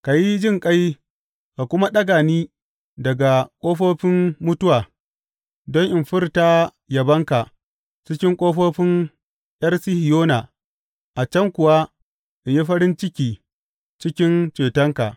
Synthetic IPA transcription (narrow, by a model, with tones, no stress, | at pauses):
ka˨ji˦d͡ʒɪ˦˨ŋkʼa˦j | ka˨kʷʊ˦ma˦ɗɐ˦ɡaː˨niː˦ | dɐ˨ɡa˨kʷʼoː˦ɸoː˦ɸɪ˦mmʊ˦tʊ˦waː˨ | dɔ˦ŋʔɪ˨mɸɪ˦rta˦ | jɐ˨bɐ˦ŋka˨ʔ | t͡ʃɪ˦kʲɪ˦ŋkʷʼoː˦ɸoː˦ɸɪ˦ŋ | j̰ɐ˦rsɪ˦hɪ˨joː˦na˨ | ʔa˨t͡ʃɐ˦ŋkʷʊ˨wa˦ | ʔɪ˨ɲji˦ɸɐ˦ɾɪ˦nt͡ʃɪ˦kʲiː˨ | t͡ʃɪ˦kʲɪ˦nt͡ʃeː˨tɐ˦ŋka˨ʔ